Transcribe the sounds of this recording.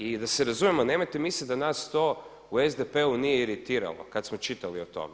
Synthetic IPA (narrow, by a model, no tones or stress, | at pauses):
id̪aseɾazumemonemajt̪emisid̪anast̪o̞ | uezd̪epe̞unijeiɾit̪iːɾa̰lo̰kat̪smo̞t͡ʃit̪aliot̪o̰me